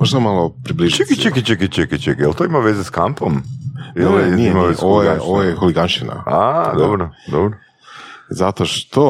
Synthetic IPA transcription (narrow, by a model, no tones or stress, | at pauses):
oʒd̪amalˠopɾibliʒt͡ʃekit͡ʃekit͡ʃekit͡ʃekit͡ʃekijelt̪oimaʋezeskampomjelniimaʋezʔoʋojɡoʋojexoliɡanʃina̰ad̪obɾod̪obɾo | zat̪oʃt̪o